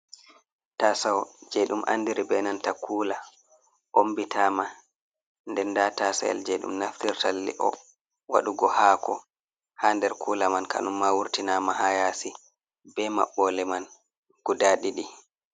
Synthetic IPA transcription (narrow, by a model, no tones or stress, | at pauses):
tasawd͡ʒɛɗumʔa̰ndiɾibɛnantakʰuːla | ʔombitaːma | ndɛnːdatasa̰ja̰ld͡ʒɛɗṵmnaftiɾtalːḭʔɔ̰ | wa̰ɗuɡɔhaːkʰɔ | haːndɛɾkʰuːlamanka̰numːawuɾtinamahajasi | bɛma̰ɓːɔlɛman | ɡ̥udaɗiɗi